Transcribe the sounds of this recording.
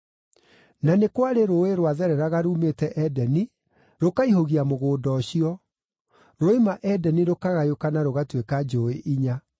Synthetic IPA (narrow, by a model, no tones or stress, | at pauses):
nanekwaɾeɾoeɾwaðɛɾɛɾaɣaɾuːmetɛʔɛdɛni | ɾokaiɦoɣiamoɣoːdɔɕiɔ | ɾoimaʔɛdɛniɾokaɣajokanaɾoɣatwekad͡ʒoeʔiɲa